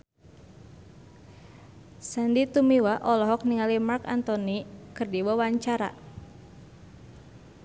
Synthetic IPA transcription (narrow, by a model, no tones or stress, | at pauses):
sandit̪umiwaʔɔlɔɦɔk̚niŋalimarkant̪ɔnikɨrdiwawaɲt͡ʃaɾa̰